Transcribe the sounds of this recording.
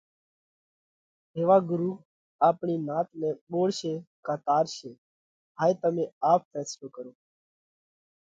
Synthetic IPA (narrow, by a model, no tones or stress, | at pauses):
ɦeːʋaːɡʊɾuː | aːpɳiːnaːt̪nẽːɓoːɽʃeːkaːt̪aːɾʃeː | ɦaːet̪əmẽːaːpfɛːsloːkəɾoː